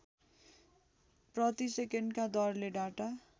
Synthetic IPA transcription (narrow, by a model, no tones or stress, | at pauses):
prʌt̪isekeɳɖkad̪ʌrleɖaʈa